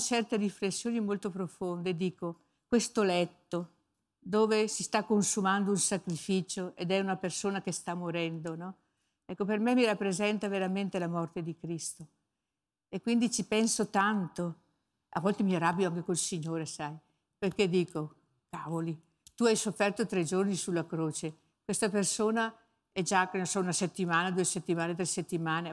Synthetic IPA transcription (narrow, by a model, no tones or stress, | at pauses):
t͡ʃɛrt̪eriflesːjoːnimolt̪opɾofond̪ed̪iːko | kwest̪olɛt̪ːo | d̪oːvesist̪akːonsumand̪ounsakɾifiːt͡ʃoʔed̪ɛunapersoːnakest̪amːoɾɛnd̪onɔ | ɛkːopermɛmːirapːɾezɛnt̪aveɾament̪elamɔrt̪ed̪ikɾist̪o | ekːwind̪it͡ʃipɛnsot̪ant̪o | a̰vːɔlt̪emiaɾabːjoaŋkekolsiɲːoːɾesaj | perked̪iːko | kavoli | t̪uajsofːɛrt̪ot̪ɾed͡ʒornisulːakɾoːt͡ʃe | kwest̪apersoːna | ɛd͡ʒaknonsɔunaset̪ːimaːnad̪uːeset̪ːimaːnet̪ɾeset̪ːimaːne